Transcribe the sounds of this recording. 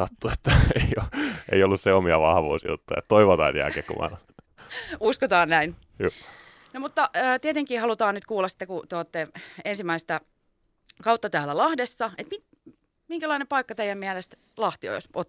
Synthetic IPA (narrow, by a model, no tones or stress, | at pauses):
sɑt̪ːuet̪ːæeioʔḛiolːusseomiɑʋɑhʋṵːsjṵt̪ːujɑ̰et̪t̪oiʋot̪ɑit̪iæ̰keːkkṵmɑ̰nɑ | uskot̪ɑːnnæin | juː | nomut̪ːɑəːt̪iet̪eŋkiːhɑlut̪ɑːnnyt̪kuːlːɑsi̥t̪ːekut̪oˑt̪ːeensimːæist̪ɑ | kɑut̪ːɑt̪æːlːælɑhdesːɑet̪mit̪ | miŋkælɑinempɑikːɑt̪eijˑæmmiælest̪ | lɑht̪io̰josot̪